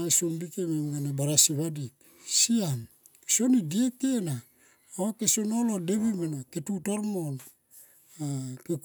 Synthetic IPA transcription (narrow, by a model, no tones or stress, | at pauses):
ajsombikememɡanebaɾasiβadik | sian | so̞nidiekena | okesonolodeβimanaketutoɾmol | akek